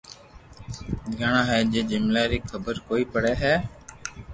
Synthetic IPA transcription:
ɡʱəɳãːɦɛːd͡ʒeːd͡ʒɪmlaːɾiːkʰəbəɾkoːiːpəɽɛːɦɛː

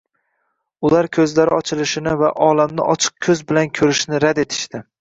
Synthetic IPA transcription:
ʊlaɾkʲʰɵzlaɾɪɒt͡ʃʰɪlɪʃɪnɪvaʔɒlamnɪʔɒt͡ʃʰɨ̥q̚kʲʰɵzbɪlankʲʰɵɾɪʃnɪɾad̪e̞t̪ʰɪ̥ʃt̪ɪ

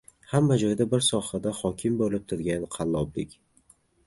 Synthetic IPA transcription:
hamːad͡ʒɒjd̪abɪɾsɒhad̪ahɒkʲʰɪmbolɪp̚t̪ʰʊɾɡʲanqʰɑlˠːɒblɪ̰kʲ

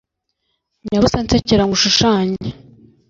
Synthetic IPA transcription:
ɲaβusant͡seciɾaŋɡuʃuʃaːɲe

